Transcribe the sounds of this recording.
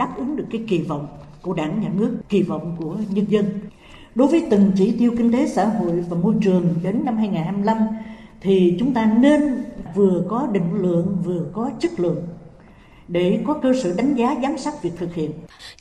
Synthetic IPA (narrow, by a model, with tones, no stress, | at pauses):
ɗaː˦˥p̚ʔɨ˨˦ŋɗɨ˨˩əkːaː˨˦jki˧˩vɔ̰˧˨wŋ͡mku˧˩əɗaː˧˩ŋɲaː˨˩nɨ˦˥əkːi˧˩vɔ̰˧˨wŋ͡mku˧˩əɲə˧nzə˧n | ɗo˨˦jvəː˨˦jt̪ɨ˨˩ŋt͡ɕi˧˩˦t̪i˧əwkï˧ŋ̟t̪e˨˦sa̰ː˧˥˨ɦo̰˧˨jvaː˨˩mo˧jt͡ɕɨ˨˩əŋɗe˨˦nːa˧mhaː˧jŋaː˨˩nhɦaː˧jm˧la˧m | t̪ʰi˨˩t͡ɕʊ˨˦ŋ͡mt̪aː˧ne˧nvɨ˨˩əkɔ˨˦ɗḭ̈˧˨ŋ̟lɨ̰˧˨əŋvɨ˨˩əkɔ˨˦t͡ɕɨ˦˥k̚lɨ̰˧˨əŋ | ɗe˧˩kɔ˨˦kəː˧sə̰ː˧˩ɗa˨˦jŋ̟zaː˨˦zaː˨˦msa˦˥t̚vi˨˩ək̚t̪ʰɨ˨˩k̚hḭ˧˨ənʔ